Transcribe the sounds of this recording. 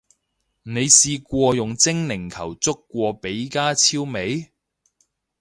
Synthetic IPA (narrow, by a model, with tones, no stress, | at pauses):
ne˨˧jsiː˧kʷɔː˧jʊ˨˩ŋt͡sɪ˥ŋnɪ˨˩ŋkʰɐ˨˩wt͡sʊ˥kːʷɔː˧pe˨˥jkaː˥t͡sʰiː˥wme˨˥j